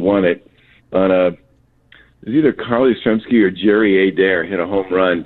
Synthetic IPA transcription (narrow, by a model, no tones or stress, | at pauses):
wɑ̃ñɪt̚ | ʔə̃nʌ | ɨziðə˞kʰɑɹlˠisɹɛ̃mskiə˞d͡ʒɛɹieɪdɛɹɪɾəɦõʊ̃mɹʌ̃n